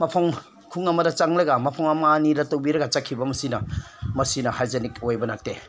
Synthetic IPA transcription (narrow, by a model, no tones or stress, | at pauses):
mɐpʰɐŋ | kʰuŋɐmɐdɐt͡ʃaŋlɐɡamɐpʰɐŋɐmaːniɾɐtowbiɾɐɡɐt͡ʃakʰːibɐmɐsinɐmɐsinɐhajzenikojbɐnak̚te